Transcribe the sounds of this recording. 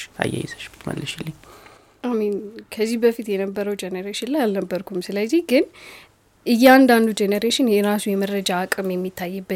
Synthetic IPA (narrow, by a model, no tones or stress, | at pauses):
a̰ja̰jɛ̰zəʃbɨt̪mə̰lːəʃɪlːɨɲ | ʔaminkʰəzːihbəfit̪jɛnəbːəɾəwd͡ʒɛnəɾeʃɪnlajalnəbːəɾkʰumsɨləziɡɨn | ʔɨjːɛand̪and̪ud͡ʒɛnəɾeʃɪnjɛɾasujɛməɾəd͡ʒaːkʼɨmjɛmːit̪ʰːajːɨbːə